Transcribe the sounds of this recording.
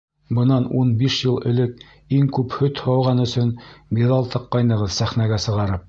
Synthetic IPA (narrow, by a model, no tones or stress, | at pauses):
bɤ̆nɑnunbiʃjɤlˠɘ̆lɘk̚ | iŋkʉphɵt̪hɑwʁɑnɵ̆sɵnbiðɑlˠt̪ɤqːɑjnɤ̆ʁɤðsæχnæɡæsɤ̆ʁɑɾɤp̚